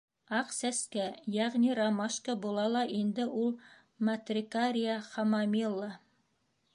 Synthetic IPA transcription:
ɑqsæskæjæʁniɾɑmɑʃkəbulˠɑlˠɑʔind̪ɘʔulˠ | mɐt̪rʲɪkaɾʲijaχɑmɑmilˠːɑ

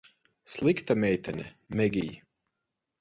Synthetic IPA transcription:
slˠikt̪amʲɛjt̪ʰanʲɛ̰mɛɡʲij

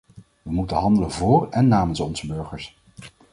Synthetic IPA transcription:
ʋəmutəɦɑndələnvʊːrɛnːaːmənsɔnzəbøɹχəɹs

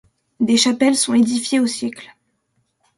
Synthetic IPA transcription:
d̪eʃapɛlsɔ̃ed̪ifjeosjɛkl

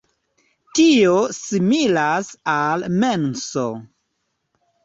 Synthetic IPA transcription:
tiosimilasalmenso̰

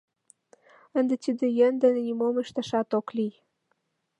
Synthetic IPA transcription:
ə̆nd̪et̪id̪ə̆jə̆nd̪ə̆nenimoməʃt̪əʃɑt̪oklij

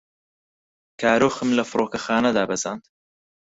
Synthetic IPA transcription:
kʰaːɾoːxɨmlɐfɨɾoːkɐxaːnɐd̪aːbɐzaːnd̪

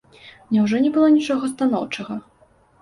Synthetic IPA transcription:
nʲɛwʐɔnʲɛbɨlˠɔnʲit͡ʂɔɣɐst̪anɔwt͡ʂɐɣɐ

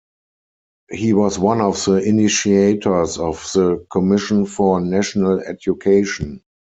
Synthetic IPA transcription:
hiːwɔswãnɔfðəɪnɪʃieɪtʰə˞sɔfðəkʰɔmɪʃə̃nfɔnæʃɔnəlɛ̰djukʰeɪʃn

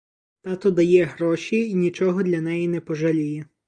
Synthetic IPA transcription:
t̪ɑt̪ɔd̪ɐjɛɦɾɔʃʲiːnʲit͡ʃɔɦɔd̪lʲɐnɛjinɛpɔʒɐlʲijɛ

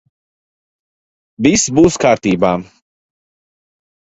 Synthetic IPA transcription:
visbuːskaːɾt̪iːbaː

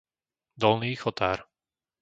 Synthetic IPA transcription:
d̪ɔlniːxɔt̪aːɾ

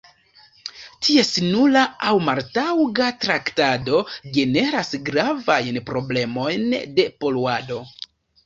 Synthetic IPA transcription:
tʰie̞sinulaawmaɾtawɡatɾaktado̞ɡe̞ne̞ɾasɡɾavajnpɾo̞ble̞mo̞jnde̞po̞luado̞

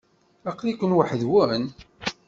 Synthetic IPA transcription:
æqlikʷənwəħðwʊn

